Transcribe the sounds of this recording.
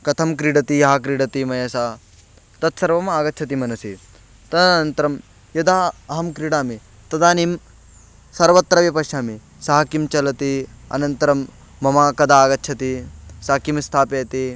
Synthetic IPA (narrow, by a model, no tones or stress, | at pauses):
kɐt̪ʰɐmkɾiɽɐt̪ijɐɦakɾiɽɐt̪imɐjɐsaː | t̪ɐt̪sɐɾʋɐmaːɡɐt̪ːt͡ʃʰɐt̪̬imɐnɐsi | t̪ɐd̪ːnɐnt̪ɐɾɐm | jɐd̪aːɐɦɐmkɾiɽaːmi | t̪ɐd̪aːnim | sɐɾʋɐt̪ːɾɐʋjɐpɐʃaːmi | sɐɦɐkimt͡ʃɐlɐt̪iɐ̰nɐnt̪ɐɾɐmː | ɐmaːkɐd̪ʱaːɡɐtːt͡ʃʰɐt̪isaːkimst̪ʰaːpjeːt̪i